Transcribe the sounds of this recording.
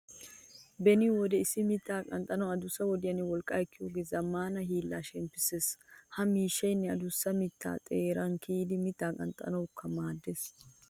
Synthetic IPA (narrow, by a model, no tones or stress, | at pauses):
bɛnɪwɔd̪ɛɪsɪmɪt̪ːaːkʼɐnt̪ʼːɐnɐɐd̪ʊsːɐwɔd̪ɪjɐnɪwɔlkʼːɐɛkːɪjoːɡezɐmːaːnɐɦiːlːaːʃɛmpːɪseːshɐmiːʃːɐjnːɛɐd̪ʊsːɐmɪt̪ːa̰ːt̪ʼeːɾɐŋkʰiːd̪ɪmɪt̪ːaːkʼɐ̰nt̪ʼɐ̰nɐwʊkːɐmaːd̪ːes